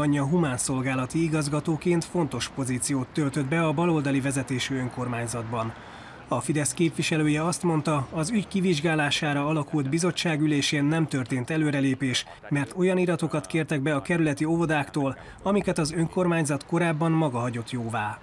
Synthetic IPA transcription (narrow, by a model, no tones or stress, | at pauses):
ɒɲːɒɦumaːnso̞lɡaːlɒt̪iiɡɒzɡɒt̪oːkeːnt̪fo̞nt̪o̞ʃpo̞ziːt̪sijoːt̪ːølt̪ø̞d̪bɛɒbɒlo̞ld̪ɒlivɛzɛt̪eːʃyø̞ŋko̞rmaːɲzɒd̪bɒn | ɒfid̪ɛskeːpʋiʃɛløːjɛɒst̪mo̞nt̪ɒɒzyɟkiviʒɡaːlaːʃaːɾɒɒlɒkuld̪bizo̞t͡ʃːaːɡyleːʃeːnːɛmt̪ø̞rt̪eːnt̪ɛløːɾɛleːpeːʃ | mɛrt̪o̞jɒniːɾɒt̪o̞kɒt̪keːrt̪ɛɡ̚bɛɒkɛɾylɛt̪iovod̪aːkt̪oːl | ɒmikɛt̪ɒzø̞ŋko̞rmaːɲzɒt̪ko̞ɾaːbːɒnmɒɡɒɦɒɟo̞t̪joːvaː